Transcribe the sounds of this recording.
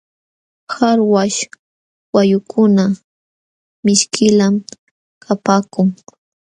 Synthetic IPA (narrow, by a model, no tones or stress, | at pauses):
xaɾwaʃ | wajʊkʰʊna | mɪʃkɪlam | kʰapaːkʊŋ